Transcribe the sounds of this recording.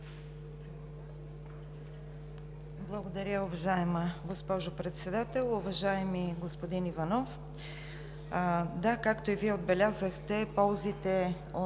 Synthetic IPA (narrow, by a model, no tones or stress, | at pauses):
blˠəɡod̪ɐɾʲəʊvɐʒaɛməɡospɔʒʊpɾɛt̪sɛd̪at̪ɛlˠʊvɐʒaɛmiɡospod̪inivɐnɔf | d̪akakt̪oiviɛod̪̚bɛlʲazəxt̪ɛpɔlˠzit̪ɛ | o